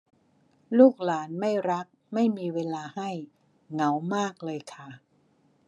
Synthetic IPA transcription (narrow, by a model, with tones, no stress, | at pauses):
luː˥˩k̚laː˩˦nma˥˩jɾa˦˥k̚ma˥˩jmiː˧weː˧laː˧ha˥˩j | ŋa˩˦wmaː˥˩k̚lɤː˧jkʰa˥˩